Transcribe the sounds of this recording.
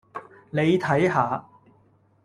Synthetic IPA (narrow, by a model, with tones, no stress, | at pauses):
ne˨˧jt̪ʰɐ˨˥jɦaː˨˧